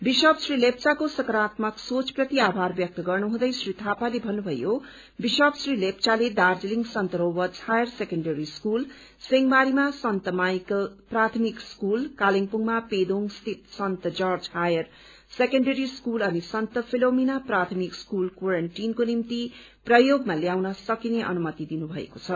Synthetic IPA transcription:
biʃʌbsrilep̚t͡sakosʌkɾat̪mʌksot͡sprʌt̪iabʱarbjʌk̚t̪ʌɡʌrnuɦũd̪ʌjsrit̪ʰapalebʱʌnːubʱʌjo | biʃʌbsrilep̚t͡saled̪ard͡zeliŋsʌnt̪ʌɾowʌt͡shajʌrsekʌɳɖʌɾiskul | seŋɡmaɾimasʌnt̪ʌmajkprat̪ʰmikskulkaliŋpuŋmaped̪oŋst̪ʰit̪sʌnt̪ʌd͡zʌrd͡zhajʌr | sekʌɳɖʌɾiskulʌnisʌnt̪ʌpʰilominaprat̪ʰmikskulkwaɾʌɳʈinkonimt̪i | prʌjoɡmaljawnʌsʌkineʔʌ̰numʌt̪id̪inubʱʌḛkot͡sʰʌ

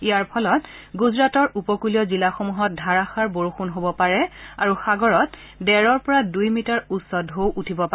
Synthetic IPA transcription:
ijaɹpʰɔlɔtɡuzɹatɔɹupɔkuliɔzilaxomuɦɔt̚dʱaɹaxaɹboɹuxunɦobɔpaɹɛaɹuxaɡɔɹɔt | dɛɹɔɹpɔɹadujmitaɹutsɔdɦowʔutʰibɔpa

